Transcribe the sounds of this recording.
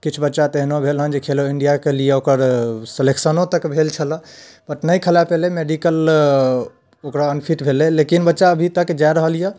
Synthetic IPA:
kit͡ʃʰbətːʃat̪eɦnobʱelɦənd͡ʒekʰeloiɳɖijakelieokəɾselekʰsənõt̪əkbʱelt͡ʃʰələ | pəʈnəjkʰəlapelemeɖikəl | okɾaənpʰiʈbʱelelekinbətːʃaəbʱit̪əkd͡ʒaeɾəɦəlijə

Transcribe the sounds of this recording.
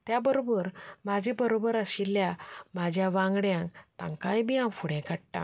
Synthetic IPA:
t̪jabəɾobəɾmad͡ʑʱẽbəɾobəɾəɕilːjamad͡ʑʱjaʋãŋɡɽjãŋkt̪ã̰ŋkajbiãmfuɽẽkəɽʈã̰

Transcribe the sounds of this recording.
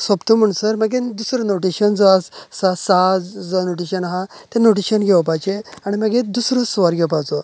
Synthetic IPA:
səbt̪əm̤əɳ̃səɾməɡẽd̪usɾənoʈiɕənd͡zɔassasad͡zɔnoʈiɕənɦãt̪enoʈ̬iɕənɡʱeʋpat͡ɕeaɽ̃iməɡẽd̪usɾəsʋəɾɡəpat͡so

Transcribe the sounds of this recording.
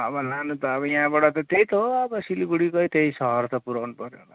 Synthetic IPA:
ʌbʌlanut̪ʌːbʌjaãbaɽʌt̪ʌt̪ejt̪oʌbʌsiliɡuɽikʌjt̪eisʌɦʌrt̪ʌpuɾawnupʌɾjona

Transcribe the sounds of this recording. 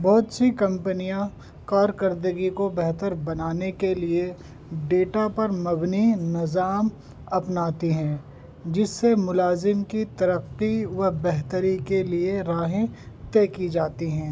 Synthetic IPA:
bɔːt̪sikɐ̃mpənijã | kaːɾkɐɾd̪əɡikobɛɦt̪əɾbɐnaːnekelie | ɖeːʈapɐɾmɐbninɪzaːm | ɐpnaːt̪iɦɛ̃ː | d͡ʒɪsːemʊlaːzɪmkit̪ɐɾəqːiʋɐbɛɦt̪əɾikelieɾaːɦẽt̪ɛːkid͡ʒaːt̪iɦɛ̃ː

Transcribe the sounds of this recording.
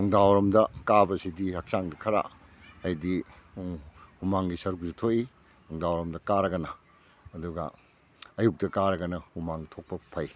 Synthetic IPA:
nuŋdawɾɐmdɐkabɐsidihak̚saŋɡɐkʰɐɾa̰ | ɐjdi | humaŋɡisɐɾuk̚sutʰoʔi | nuŋdawɾɐmdɐkaɾɐɡɐnɐː | duɡɐ̰ | ɐjuk̚dɐkaɾɐɡɐnɐhumaŋtʰok̚pɐpʰɐj

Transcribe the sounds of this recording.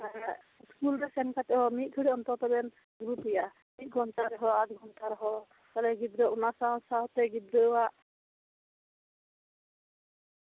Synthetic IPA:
skulɾɛsɛnkat̪ɛɦɔmit̪̚ˀkʰiɽiɔnt̪ɔɾt̪ɔbɛn | ɡɾupija | mit̪̚ɡʱɔnt̪aɾɛɦɔad̪ɡʱɔnt̪aɾɦɔ | talɛɡid̪ɾɔunasasawt̪ɛɡid̪ɾəwaʔ

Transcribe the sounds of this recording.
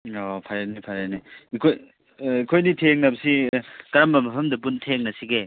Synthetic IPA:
ɔpʰaɾenipʰaɾeniikʰoj | ikʰojnitʰeŋnɐbɐsikɐɾambɐmɐpʰɐmdɐp̬untʰeŋnɐsiɡe

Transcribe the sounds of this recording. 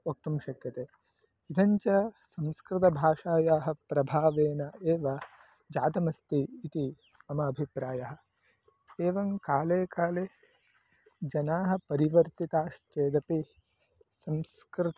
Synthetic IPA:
ok̚t̪umʃɐkjɐt̪eː | id̪ʰʱɐɲt͡ʃɐsɐ̃mskɾɪt̪̬ɐbʱaːʂaːjaːɦɐ̆pɾɐbʱaːʋeːnɐeːʋɐ | d͡ʒaːd̪ɐmɐst̪iːt̪i | ɐmɐːbʱipɾaːjɐɦɐ̆ | eːʋɐŋkaːleːkaːle | d͡ʒɐnaːɦɐ̆pɐɾiʋɐɾt̪it̪aːʃt͡ʃeːd̪ɐpi | sɐms | kɾɪt̪

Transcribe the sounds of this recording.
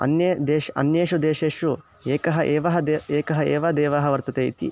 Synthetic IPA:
ɐ̰njed̪eːʃɐ̰njeːʂud̪eːʃeːʂu | eːkɐɦɐʔeːʋɐɦɐd̪eːeːkɐɦɐeːʋɐd̪eːʋaːɦɐʋɐɾt̪ɐt̪eːit̪ḭ

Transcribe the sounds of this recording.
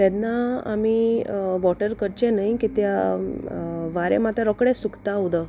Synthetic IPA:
t̪ɛnːaa̰miʋɔʈəɾkəɾt͡ɕẽnajkit̪ja | ʋaɾḛmat̪aɾɔkɽesukt̪aɦud̪ə

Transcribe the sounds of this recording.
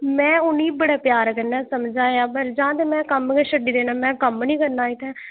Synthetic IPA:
mɛ̃ːʊniːbəɽaːpjaːɾkənːɛːsəmd͡ʒaːeãːbəld͡ʒãːt̪eːmɛ̃ːkəmkeʃəɖiːd̪eːnaːmɛ̃ːkəmnĩːkəɾnãːɪt̪ɛ̃ː

